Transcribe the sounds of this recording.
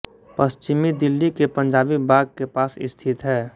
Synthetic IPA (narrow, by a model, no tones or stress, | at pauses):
pəst͡ʃɪmid̪ɪlːikepə̃ɲd͡ʒaːbibaːɡ̚kepaːsɪ̰st̪ʰɪt̪ɦɛː